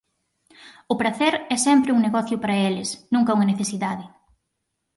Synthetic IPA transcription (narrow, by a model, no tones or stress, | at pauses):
ʊpɾɐθɛɾɛsɛmpɾɪuŋneɣɔθjʊpaɾɐelɪsnũŋkɐuŋɐneθesiðaðɪ